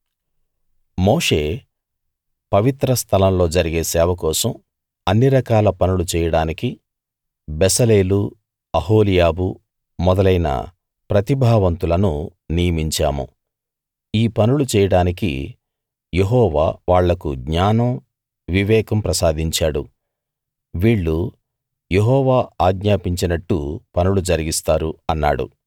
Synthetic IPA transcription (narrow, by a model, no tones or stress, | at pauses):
moːʂe̞ː | pɐʋit̪ɾɐst̪ʰɐlɐmlo̞ːd͡ʒɐɾiɡeːsɛːʋɐkɔːsɐm | ɐnːiɾɐkaːlɐpɐnulut͡ʃɛːjɐɽaːniki | bɛsɐle̞ːlu | ɐɦoːlijaːbu | mɔd̪ɐlɐjnɐ̰ | pɾɐt̪ibʱaːʋɐnt̪ulɐnunijɐmiɲt͡ʃa̰ːmṵ | iːpɐnulut͡ʃɛːjɐɽaːnikḭ | jeɦɔːʋa̰ːʋaːɭːɐkuɡɲaːnɐm | ʋiʋɛːkɐmpɾɐsaːd̪ʱiɲt͡ʃaːɽu | ʋiːɭːu | jeɦɔːʋaːaːɡɲaːpiɲt͡ʃinɐʈːupɐnulud͡ʒɐɾiɡist̪aːɾuɐnːa̰ːɽṵ